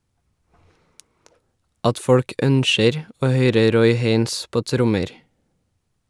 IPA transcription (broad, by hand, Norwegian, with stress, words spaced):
ˈɑt ˈfɔɽk ˈʔœnʃəɾ ˈoː ˈhœʏɾə ˈɾɔʏ ˈheɪns ˈpoː ˈtɾʊməɾ